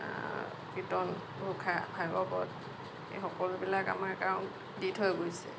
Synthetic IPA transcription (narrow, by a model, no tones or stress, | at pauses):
kɹitɔn | bʱukʰabʱajbɔbɔt | ḛxɔkɔlʊbilaka̰maɹkaʊn | ditʰɦojɡojsɛ̰